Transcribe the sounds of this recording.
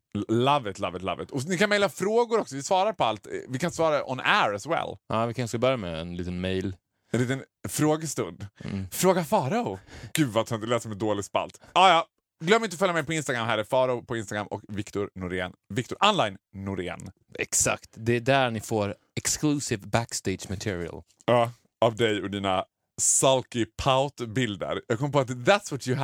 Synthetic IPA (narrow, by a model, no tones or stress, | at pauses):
lavət̪la̰vət̪la̰vət̪ʰɔnɪkanmɛjlːafɾoːɡʊɾɔksɔvɪsvɑːɾaɾpʰɔalt̪vɪkʰansvɑːɾaʔɔ̰næɾɛswɛ̰lʔɑːvɪkʰaskabœɾjamɛ̰ɛ̰nliːt̪ənmɛjl | ɛnliːt̪ənfɾoːɡəst̪ɵnd̪fɾoːɡafɑːɾaʊɡ̥ʉd̪vat̪ʰɾɪnt̪əlɛːsəɾmɛnd̪oːlɪɡspa̰lt̪ɑːjɑː | ɡlœmːɪnt̪ɔfœljamɛjpɔɪnst̪aɡɾamɦæːɾəfɑːɾaʊpʰɔɪnst̪aɡɾa̰mʔɔ̰kvɪkt̪ʊɾnʊɾḛːnvɪk̚t̪ʊɾʔanlajnːʊɾḛːn | ɛ̰ksa̰kt̪d̪ɛːd̪æɾnɪfoːɾ | ɛksklʉːsɪvbækst̪eɪdd͡ʒmat̪ʰɪːɾɪ̰ə̰l | ɑː | avd̪ɛjɔd̪iːna | salkɪpʰaʊt̪bɪld̪ə̰ɾjɑːɡkɔmːəpɔat̪ðæt̪svɔt̪jə